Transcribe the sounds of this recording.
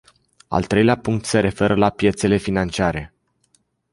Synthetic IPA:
a̰lt̪ɾe̞jleapuŋk̚t̪se̞ɾe̞fe̞ɾəlapje̞t̪se̞le̞finant͡ʃiaɾe̞

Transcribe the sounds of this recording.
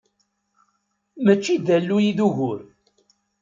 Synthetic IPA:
mət͡ʃːid̪ælːujiðuʝʊɾ

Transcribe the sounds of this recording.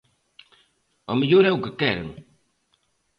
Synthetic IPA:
ɔ̰miʎoɾɛukɨkɛɾ̰ŋu

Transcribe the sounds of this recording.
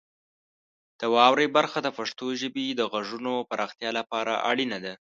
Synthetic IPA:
d̪̥əwɑwɾejbaɾxad̪əfaʂt̪oʒəbid̪əɣaʐunopaɾʔɑxt̪jɑlapɑɾa̰ʔa̰ɽinad̪a

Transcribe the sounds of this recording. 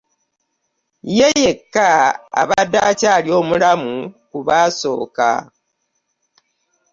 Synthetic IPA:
jejekːaa̰βadaːcalio̞ːmulamukuβaːso̞̰ːka̰

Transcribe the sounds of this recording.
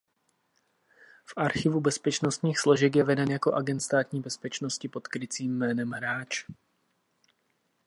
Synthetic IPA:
fʔaɾxɪvubɛspɛt͡ʃno̞st̪ɲiːxslo̞ʒɛk̬jɛvɛdɛnjako̞ʔaɡɛnt̪st̪aːt̪ɲiːbɛspɛt͡ʃno̞scɪpo̞t̪kɾɪt͡siːmːɛːnɛmɦɾaːt͡ʃ

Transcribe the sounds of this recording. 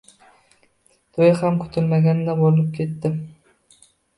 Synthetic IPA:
t̪ʰojhamkʰʊ̥t̪ʰɪlmaɡʲanɪd̪abolɪp̚kʲʰe̞t̪ːɪ

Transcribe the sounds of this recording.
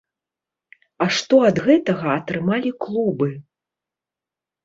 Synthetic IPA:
ɐʂt̪ɔɐd̪ɣɛt̪ɐɣɐːt̪ɾɨmalʲiklˠubɨ

